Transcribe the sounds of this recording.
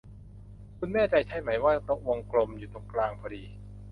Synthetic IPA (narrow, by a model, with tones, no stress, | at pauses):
kʰu˧nmɛː˥˩t͡ɕa˧jt͡ɕʰa˦˥jma˩˦jwaː˥˩˦t̪o˦˥k̚wo˧ŋklo˧mjuː˨˩t̪o˧ŋklaː˧ŋpʰɔː˧diː˧